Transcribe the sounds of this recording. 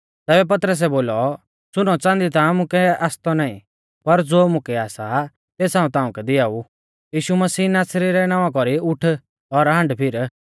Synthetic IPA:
t̪ɛːbɛp̬ɐt̪ɾəs̬ɛboːlɔ | sʊnɔt͡sãːnd̪it̪ãmʊ̃kɛaːst̪ɔnaːḭ̃ | pɐɾd͡zoːmʊ̃kɛaːsa | t̪eːsãːũt̪ãːũkɛd̪ɪaːu | jiːʃumɐsiːnaːsɾiɾɛnaːʋakɔɾiʊʈʰ | ɔɾɦɐ̃ɳɖpʰɪɾ

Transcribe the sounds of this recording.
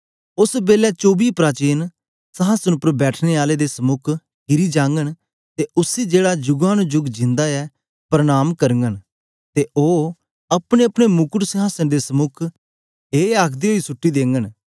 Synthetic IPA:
ʊsbeːlɛt͡ʃoːbiːpɾaːt͡ʃeːn | səɦaːsənʊpəɾbɛːʈʰneːaːleːd̪eːsəmʊkʰ | ɡɪɾiːd͡ʒãːŋɡən | t̪eːʔʊsiːd͡ʒeːɽad͡ʒʊɡãːnũd͡ʒʊɡd͡ʒɪ̃nd̪aːɛː | pɾəɽ̃aːmkəɾəŋɡən | t̪eːʔoː | əpɽeːəpɽ̃emʊkʊʈsəɦaːsənd̪eːsəmʊkʰ | eːaːkʰd̪eːɦoiːsʊʈːiːd̪ẽːŋɡən

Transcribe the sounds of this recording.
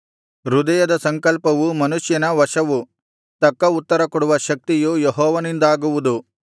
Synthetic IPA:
ɾud̪ɐjɐd̪ɐsɐŋkɐlpɐʋumɐnuʃjɐnɐʋɐʂɐʋu | t̪ɐkːɐut̪ːɐɾɐkɔɽuʋɐʃɐk̚t̪ijujeɦɔːʋɐnind̪aːɡuʋud̪u

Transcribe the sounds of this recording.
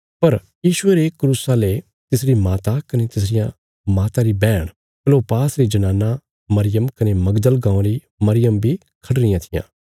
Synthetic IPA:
pɐɾ | jiːʃʊeɾekɾuːsale | t̪ɪsɾimaːt̪akɐnet̪ɪsɾɪjã | maːt̪aɾibɛːɽ̃ | kloːpaːsɾid͡ʒɐnãːnːa | mɐɾɪjəmkɐnemɐɡd̪əlɡãːɾi | mɐɾɪjəmbʱi | kʰɐɽɾɪjãt̪ʰɪjã̰ː

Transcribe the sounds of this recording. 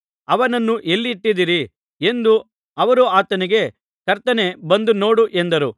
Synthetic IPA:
ɐʋɐnɐnːuʔe̞lːiːʈːid̪iɾi | e̞nd̪u | ɐʋɐɾuaːt̪ɐniɡe̞ | kɐɾt̪ɐne̞bɐnd̪uno̞ːɽuʔe̞nd̪ɐɾu

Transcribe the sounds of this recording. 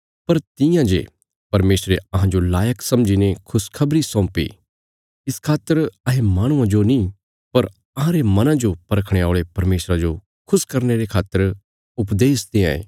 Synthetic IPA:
pɐɾt̪ɪjãd͡ʒḛ | pɐɾmeːsɾeɐɦãd͡ʒolaːjəksɐmd͡ʒinekʰʊskʰɐbɾisɔ̃ːpḭ | ɪskʰaːt̪ːəɾɐɦemaːɽ̃ʊ̃ãd͡ʒonĩ | pɐɾ | ɐɦãɾemɐnãd͡ʒopɐɾəkʰɽ̃eaːɭepɐɾmeːsɾad͡ʒo | kʰʊskɐɾneɾekʰaːt̪ːəɾ | ʊpd̪eːst̪ẽãḛː

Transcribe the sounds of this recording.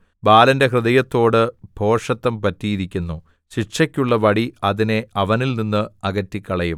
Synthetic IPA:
baːlɐnde̞ɦrɨðɐjɐt̪ːo̞ːɽɨbʱo̞ːʂɐt̪ːɐmpɐtːiːðikʲːunːu | ɕiʈʂɐkʲːuɭːɐʋɐɽiɐðine̞ɐʋɐnilninːɨɐɣɐtːikʲːɐɭɐjum

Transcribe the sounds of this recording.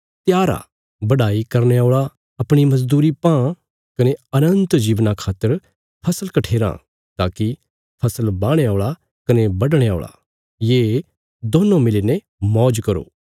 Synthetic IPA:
t̪jaːɾa̰ | bɐɖaːikɐɾñeoːɭa | ɐpɽ̃imɐzd̪uːɾipãː | kɐneɐnə̃nt̪d͡ʒiːʋnakʰaːt̪ːəɾ | pʰɐsəlkɐʈʰeːɾã̰ | t̪aːki | pʰɐsəlbãːɽ̃eoːɭa | kɐnebɐɖɽ̃ea̰ːɭa̰ | jeː | d̪oːnõmɪleːne | mɔːd͡ʒkɐɾo̰ː

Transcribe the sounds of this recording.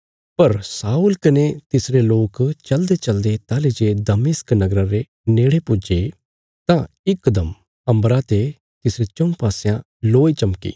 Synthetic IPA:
pɐɾsaːuːlkɐnet̪ɪsɾeloːkt͡ʃɐld̪et͡ʃɐld̪et̪aːled͡ʒeːd̪ɐmɪsknɐɡɾaɾe | neːɽepʊd͡ʒe | t̪ã | ɪkːd̪əm | ɐ̃mbɾat̪e | t̪ɪsɾet͡ʃɐ̃paːsejã | loːit͡ʃɐmkḭː

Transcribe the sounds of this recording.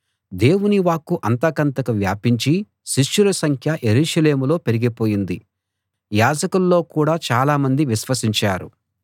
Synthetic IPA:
d̪e̞ːwuniʋaːkːuʔɐnt̪ɐkɐnt̪ɐkɐʋja̰ːpiɲt͡ʃi | ʃiʃːulɐsɐŋkʰjɐʔe̞ɾuːʃɐle̞ːmulo̞ːpe̞ɾiɡipoːjind̪i | jaːd͡ʒɐkulːo̞ːkuːɽaːt͡ʃaːlaːmɐnd̪iʋiʃʋɐsiɲt͡ʃaːɾu

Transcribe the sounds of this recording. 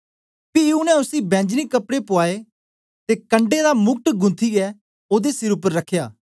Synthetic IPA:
pijunɛ̃ʊsibɛ̃ːɲd͡ʒnikɐpɽepʊaːe | t̪ekɐ̃ɳɖed̪amʊk̚ʈɡʊ̃nt̪ʰiɡɛː | oːd̪esɪɾʊpːəɾːɐkʰjaː

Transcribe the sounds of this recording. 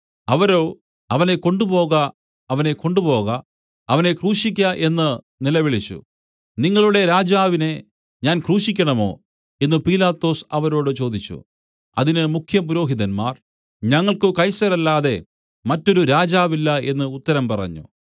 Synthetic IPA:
ɐʋɐɾo̞ː | ɐʋɐne̞ko̞ɳɖupo̞ːɣɐː | ʋɐne̞ko̞ɳɖupo̞ːɣɐ | ɐʋɐne̞kruːʂikʲːɐʔe̞nːɨ | nilɐʋiɭit͡ɕːṵ | niŋːɐɭuɽe̞ɾaːd͡ʑaːʋine | ɲaːnkruːʂikʲːɐɳɐmo̞̰ː | e̞nːɨpiːlaːt̪ːo̞ːsɐʋɐɾo̞ːɽɨt͡ɕo̞ːd̪it͡ɕːṵ | ɐ̰ðinɨmukʰjɐpuɾo̞ːɦiðɐnma̰ːr | ɲɐŋːɐɭkɨkɐjsɐɾɐlːaːðe̞ | mɐtːo̞ɾuɾaːd͡ʑaːʋilːɐe̞nːɨut̪ːɐɾɐmpɐrɐ̰ɲːṵ

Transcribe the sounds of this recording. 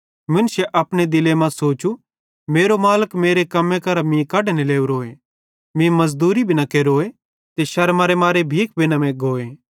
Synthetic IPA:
mʊnsɛʔɐpɽ̃ed̪ɪlemãsoːt͡ʃu | meːɾomaːləkmeːɾekɐmẽkɐɾamĩkɐɽneleːuɾoːe | mĩmɐzd̪uːɾibʱinɐkeɾoːe | t̪eʃɐɾmaɾemaːɾebʱiːk̚bʱinɐmẽɡoːeː

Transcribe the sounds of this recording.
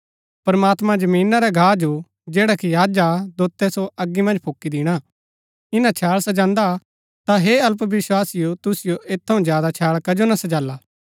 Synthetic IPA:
pɐɾmaːt̪mãd͡ʒɐmiːnaɾɛɡʱaːd͡ʒo | d͡ʒeːɽakijaːd͡ʒad̪oːt̪ːɛsoɐɡːimɐ̃nd͡ʒpʰoːkːid̪ɪɽ̃a | ɪnãt͡ʃʰaːɭsɐd͡ʒãːnd̪a | t̪aɦeɐlpʋɪswaːsɪjot̪ʊsɪjoʔeːt̪ʰːɐũzjaːd̪at͡ʃʰaːɭkɐd͡ʒonɐsɐd͡ʒaːlːaː

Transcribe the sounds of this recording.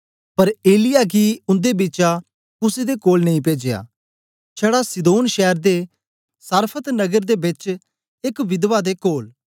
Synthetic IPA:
pɐɾeːlɪjaːkiʊ̃nd̪ebɪt͡ʃa | kʊsed̪ekoːlnɐĩp̬eːd͡ʒeja̰ː | t͡ʃʰɛːɽasɪd̪oːnʃɛːɾd̪e | səɾpʰət̪nɐɡəɾd̪ebɪt͡ʃ | ɪkʋɪd̪ʋad̪ekoːl

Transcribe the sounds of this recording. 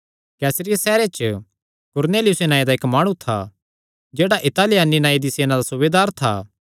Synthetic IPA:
kɛːsɾɪjasɛːɾet͡ʃə | kʊɾneːlɪjʊsenaːid̪aeːkmaːɽ̃ũt̪ʰa̰ | d͡ʒeːɽaʔɪt̪aːlɪjaninaːid̪iseːnad̪asʊʋeːd̪aːɾt̪ʰa̰ː

